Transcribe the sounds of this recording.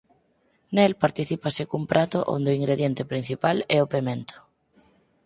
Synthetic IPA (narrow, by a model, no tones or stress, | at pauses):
nelpaɾt̪iθipasɪkumpɾʔat̪ʊʔo̰nd̪eoiŋɡɾeðjent̪epɾin̟θipalɛopemẽnt̪ʰʊ̥